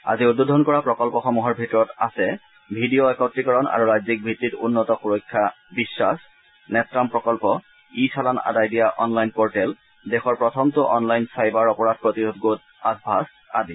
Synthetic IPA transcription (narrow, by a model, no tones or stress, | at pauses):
a̰ziʊdod̪ʱɔnkɔɹapɹɔkɔlpɔxɔmuɦɔɹbʱitɔɹɔtasɛ | bʱidioɛkawntɹikɔɹɔna̰ɹuɹazik̚bʱitːitʊ̰nːɔtɔxuɹɔjkʰːa | bisːas | nɛtɹampɹɔkɔlpɔ | isalana̰dajdijaʔɔnlajnpɔɹtɛl | dexɔɹpɹɔt̪ʰɔmtʊʔɔnlajnsajbaɹɔpɔɹad̚ʱpɹot̪iɾud̪ʱɡot | asbʱas | a̰di